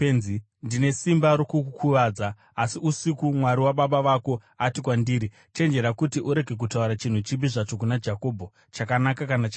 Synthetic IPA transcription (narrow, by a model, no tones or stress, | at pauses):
enzi | ndine̞simbaɾokuukʰuʋaːd͡zaː | siusikumwaɾiwaɓaɓaʋako̞ | atikwandiːɾi | t͡ʃe̞nd͡ʒe̞ɾakutiʔuɾe̞ɡʱe̞k̬utauɾat͡ʃin̤ut͡ʃibiʐat͡ʃo̞k̬unad͡ʒako̞ːbʱo | t͡ʃakanakakanat͡ʃa